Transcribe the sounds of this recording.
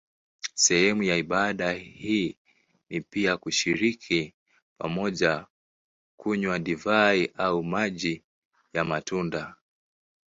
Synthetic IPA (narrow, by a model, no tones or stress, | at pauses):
sɛhɛmujaiɓaɗahiː | nipiakuʃiɾikʰi | pa̰mɔʄa | kuɲwaɗivaiʔaumaʄi | jamatunda